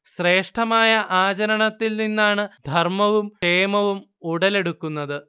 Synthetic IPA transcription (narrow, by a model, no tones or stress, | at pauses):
ɕre̞ːʂʈʰɐmaːjɐʔaːt͡ɕɐɾɐɳɐt̪ːilninːaːɳɨd̪ʱɐrmɐʋumeːmɐʋum | uɽɐle̞ɽukːunːɐðɨ